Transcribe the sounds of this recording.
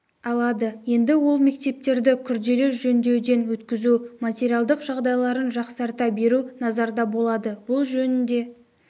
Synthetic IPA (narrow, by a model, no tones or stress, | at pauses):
ɑlˠɑd̪əje̞nd̪ɪwo̞lˠme̞k̚t̪e̞p̚t̪e̞ɾd̪ɪkʲʰʏɾd̪e̞lɪʒɵnd̪e̞d̪e̞nwɵt̪kʲɪzumatʲeɾijalˠd̪əqʒɑʁd̪ɑjlˠɑɾənʒɑqsɑɾt̪ɑbe̞ɾunɑzɑɾd̪ɑbo̞lˠɑd̪əbʊlˠʒɵnɪnd̪e̞